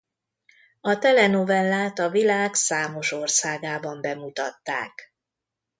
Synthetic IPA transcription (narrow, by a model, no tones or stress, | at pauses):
ɒt̪ɛlɛno̞vɛlːaːt̪ɒvilaːksaːmo̞ʃo̞rsaːɡaːbɒmbɛmut̪ɒt̪ːa̰ːk